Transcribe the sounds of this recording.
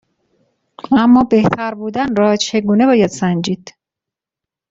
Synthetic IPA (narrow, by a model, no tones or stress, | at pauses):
æmːɒːbe̞ht̪ʰæɾbuːd̪ænɾɒːt͡ʃʰe̞ɡuːne̞bɒːjæd̪̥sænd͡ʒiːd̪̥